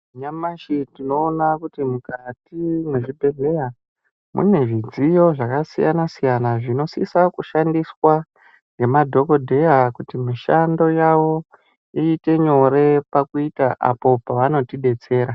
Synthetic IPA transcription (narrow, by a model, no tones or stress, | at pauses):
ɲamaʃitino̞ːnakutimukatimwe̞ʐibʱe̞ɮe̞ja | mṵne̞ʐid͡zijo̞ʐakasija̰nasijanaʐino̞sḭsakuʃandiswa | ŋɡe̞madʱo̞ko̞dʱe̞jakutimiʃando̞jawo̞ | iːte̞ɲo̞ɾe̞pakuitaʔa̰po̞paʋano̞tiɗe̞t͡se̞ːɾa